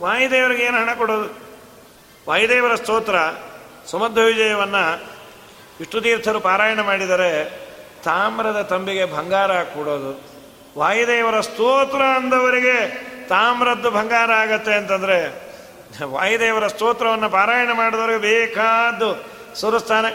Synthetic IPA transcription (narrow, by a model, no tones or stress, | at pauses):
ʋaːjid̪eːʋɐɾiɡeːnuɦɐɳɐkɔɽo̞ːd̪u | ʋaːjd̪eːʋɐɾɐst̪ɔːt̪ɾɐ | sɐmɐd̪ʱːɐʋid͡ʒɐjɐʋɐnːɐ | iʂʈut̪iːɾt̪ʰɐɾupaːɾaːjɐɳɐmaːɽid̪aːɾet̪aːmɾɐd̪ɐt̪ɐmbiɡe̞bʱɐŋɡaːɾɐaːkɔɽoːd̪u | ʋaːjud̪eːʋɐɾɐst̪oːt̪ɾɐːnd̪ɐʋɐɾiɡe̞t̪aːmɾɐd̪ːubʱɐŋɡaːɾɐaːɡɐt̪ːe̞ːnt̪ɐnd̪ɐɾe̞ | ʋa̰ːjid̪eːʋɐɾɐst̪ɔːt̪ɾɐʋɐnːɐpaːɾaːjɐɳɐmaːɽid̪ɐʋɐɾiɡebɛːkaːd̪ːu | sɐɾɐst̪ʰaːne